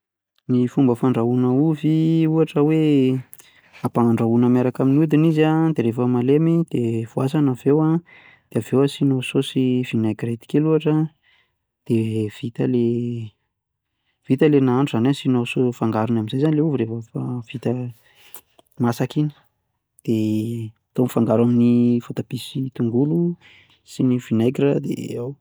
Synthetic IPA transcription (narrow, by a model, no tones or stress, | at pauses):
nifumbəfaɳɖ͡ʐaunəuviuaʈ͡ʂəwe | apanaɳɖ͡ʐaunəmaɾakaminiud̪iniziad̪eɾefəmalemid̪evuasanavewa | d̪̥eavewasinososivinaɡret̪i̥kʲeluaʈ͡ʂə | d̪̥ev̥it̪əle | v̥it̪əlenaaɳʈ͡ʂuzanasinosofaŋɡaɾunaminzajzanileuvuɾefəfav̥it̪ə | masakini̥ | d̪̥e | t̪omifaŋɡaɾaminivot̪ab̥isit̪uŋɡulu | sinivinajkɾəd̪ḛaw